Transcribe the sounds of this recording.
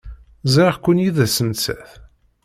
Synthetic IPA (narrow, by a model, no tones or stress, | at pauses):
zɑɾʁkʷːʊnjiðæsənt͡sːæ̰θ